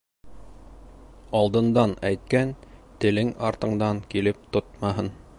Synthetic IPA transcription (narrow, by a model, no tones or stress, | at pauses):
ɑlˠd̪ɤ̆nd̪ɑnæjt̪̚kænt̪ɘ̆lɘŋɑɾt̪ɤ̆ɴd̪ɑŋkilɘp̚t̪ot̪̚mɑɦɤn